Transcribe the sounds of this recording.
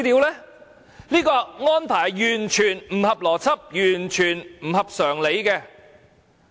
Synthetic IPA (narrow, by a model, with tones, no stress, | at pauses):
t̪iː˨˧wlɛː˥ | liː˥kɔː˧ŋɔː˥npʰaː˨˩jjyː˨˩nt͡ʃʰyː˨˩nm̩˨˩hɐ˨p̚lɔː˨˩t͡sʰɐ˥p̚jyː˨˩nt͡ʃʰyː˨˩nm̩˨˩hɐ˨p̚sœː˨˩ŋle˨˧jkɛː˧